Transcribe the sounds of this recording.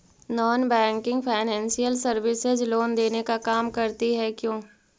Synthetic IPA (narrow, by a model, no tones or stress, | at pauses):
nɔːnbɛ̃ːŋkɪ̃ŋɡpʰaːɪnɛ̃ːnsijəlsɐɾʋɪsɪzloːnd̪eːnekakaːmkɐɾt̪iɦɛkjõː